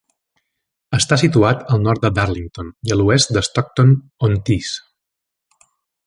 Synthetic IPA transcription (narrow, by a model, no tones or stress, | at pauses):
əst̪asit̪uat̪əlˠnɔɾt̪̚d̪əd̪aɾliŋt̪oniəluɛst̪̚d̪əst̪ɔk̚t̪on | ont̪is